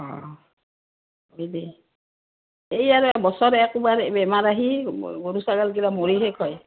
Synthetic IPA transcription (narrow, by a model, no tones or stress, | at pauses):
ɔ̰̃ | ojde | ejaɹɔbɔsɔɹɛkubaɹɛbɛmaɹaɦiɡoɹusaɡalɡilamoɹiɦɛkʰɔj